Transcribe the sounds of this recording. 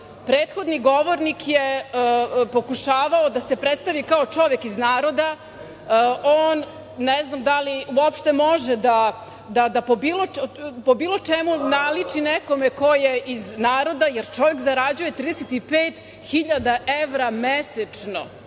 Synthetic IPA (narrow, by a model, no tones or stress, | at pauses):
pɾeːt̪xo̞d̪niɡoʋoɾnikʰje | po̞kuʃaːʋaod̪asepɾet̪st̪aʋikaot͡ʂo̞ʋekiznaːɾo̞d̪a | oːnː | ɛznamd̪aliuopʃt̪e̞moʒed̪a | d̪ad̪apobiːlopobiːlˠo̞t͡ʂɛmunalit͡ʂinɛko̞meko̞jeʔiznaːɾo̞d̪ajeɾt͡ʃo̞ʋekzaɾad͡ʑuje̞t̪ɾiːd̪eset̪ipeːt̪ | xiʎad̪aʔeʋɾameset͡ʂno̞̰